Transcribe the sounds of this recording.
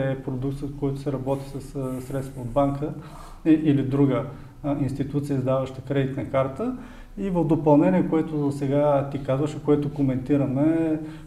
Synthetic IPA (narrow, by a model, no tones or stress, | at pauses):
ɛpɾod̪ukt̪ət̪kɔjt̪ʊ̥sɛɾɐbɔt̪i̥səssɾɛt̪st̪vɐod̪̚baŋkə | ilid̪ɾuɡə | inst̪it̪ut̪sijəzd̪avəʃt̪əkɾɛd̪it̪nɐkaɾt̪ə | ivəvd̪opɐlˠnɛniɛkoɛt̪ʊsɛɡat̪ikazvəʃɛkoɛt̪ʊkomɛnt̪iɾɐmɛ